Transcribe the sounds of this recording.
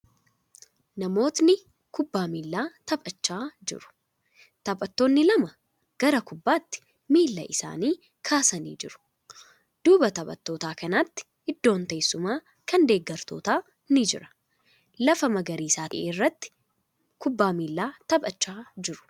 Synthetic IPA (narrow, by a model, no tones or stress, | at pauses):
nɐmo̞ːt̪nɪ | kʊbːaːmiːlːaːt̪ɐbʼɐt͡ʃːaːd͡ʒɪ̰ɾʊ̥ | t̪ɐbʼɐt̪ːo̞ːnːɪlɐmɐ | ɡ̥ɐɾɐkʊbːaːt̪ːɪ̥ | miːlːɐ̰ʔɪsa̰ːniː | kʰaːsɐnḭːd͡ʒɪɾʊ̥ | d̪̥uːbɐt̪ɐbʼɐ̰t̪ːo̞ːt̪aːkɐnaːt̪ːɪ̥ʔɪd̪ːo̞ːnt̪eːsːʊmaː | kɐnd̪e̞ːɡːɐɾt̪o̞̰ːt̪aː | nɪd͡ʒɪ̰ɾɐ̥ | lɐfɐmɐɡɐɾiːsaːt̪ɪʔeːrːɐt̪ːɪ̥ | kʊbːaːmiːlːaːt̪ɐbʼɐt͡ʃːaːd͡ʒɪɾʊ̥